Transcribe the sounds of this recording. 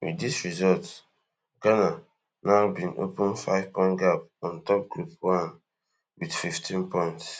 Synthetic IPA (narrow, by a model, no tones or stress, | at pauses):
wḭdisɹizɔlt | ɡana | naʊbĩno̰pə̃nfaɪv̥pɔ̃ɪ̃ntɡapɔ̃ntɔp̚ɡɹupwãn | widfiftʰĩnpɔ̃ɪ̃nts